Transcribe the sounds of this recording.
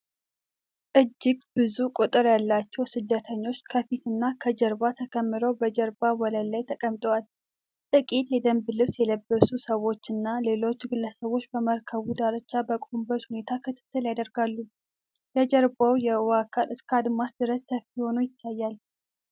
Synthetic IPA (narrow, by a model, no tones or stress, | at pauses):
ʔɨd͡ʒːɪɡbɨzukʼot̪ʼɨɾjalːat͡ʃːɛwsɨd̪ːət̪ʰəɲːo̞t͡ʃːkʰəfit̪ɨnːakʰəd͡ʒəɾbat̪ʰəkʰʼəmːɨɾəwbəd͡ʒəɾbawɔləlajt̪ʰəkʼəmt̪ʼowal | t̪ʼɨkʼit̪jɛd̪əmbɨlɨβsjɛləbːəsusəwo̞t͡ʃːɨnːale̞lo̞t͡ʃːɡɨlːəsəβo̞t͡ʃːbəməɾkʰəβud̪aɾət͡ʃːabəkʼombət͡ʃhune̞t̪ʰakʰɨt̪ʰɨ̥t̪ːɨljad̪əɾɡalːu | jɛd͡ʒəɾbawjɛwakʰalʔɨskʰad̪masd̪ɨɾəssəfiho̞nojɪt̪ʰːajːal